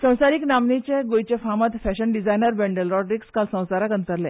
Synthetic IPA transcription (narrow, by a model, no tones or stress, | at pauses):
sə̃w̃saɾiːknamnit͡ɕeɡojt͡ɕefamat̪fɛɕənɖid͡zajnəɾbɛ̃ɳɖəlɾɔɖɾikskalsə̃w̃saɾakənt̪əɾle